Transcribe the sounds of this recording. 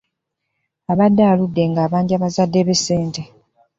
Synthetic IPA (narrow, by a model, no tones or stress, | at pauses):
aβadːaːludːe̞ŋɡaːβaːɲɟaβazadːe̞βeseːnte